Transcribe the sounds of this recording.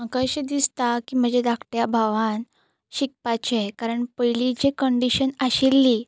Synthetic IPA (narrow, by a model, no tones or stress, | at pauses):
əkəɾɕed̪ist̪akiːm̤əd͡ʑed̪akʈjabʱaʋãn | ɕik̚pat͡ɕekaɾəɳpəjlid͡ʑekəɳɖiɕənaɕilːi